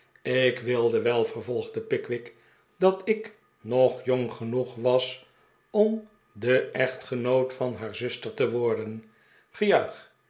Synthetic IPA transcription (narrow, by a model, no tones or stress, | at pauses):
ɪkʋɪlˠdəʋɛlˠvərvɔlˠχdəpɪkʋɪk | dɑtɪk | nɔχjɔŋχənuχʋɑs | ɔm | dəʔɛχtχənowtfɑnɦaːɹzʏstəɹtəʋɔɹdən | χəjœɥχ